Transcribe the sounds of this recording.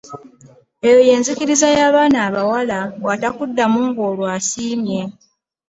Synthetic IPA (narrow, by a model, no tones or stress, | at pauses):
ejo̞je̞ːnzikiɾizajaːβaːnaːβawalawatakudːamuːŋɡoːlwaːsiːmje̞